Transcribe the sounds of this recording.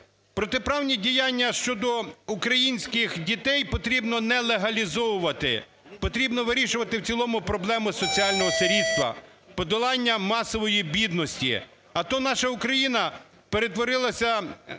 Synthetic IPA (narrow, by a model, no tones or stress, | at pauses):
pɾɔt̪epɾɑwnʲidʲijanʲːɐʃt͡ʃɔd̪ɔukɾɐjinʲsʲkɪxdʲit̪ɛjpɔt̪ɾʲibnɔnɛlˠeɦɐlʲizɔwʊʋɐt̪ɪ̰ | pɔt̪ɾʲibnɔʋɪɾʲiʃʊʋɐt̪ɪwt͡sʲilˠɔmʊpɾɔblˠɛmʊsɔt͡sʲiɑlʲnɔɦɔseɾʲid̪st̪ʋɐ̰ | pɔd̪ɔlˠɑnʲːɐmɑsɔʋɔjibʲid̪nɔsʲtʲḭ | ɐt̪ɔnɑʃɐʊkɾɐjinɐ | peɾet̪ʋɔɾɪlˠɐsʲɐ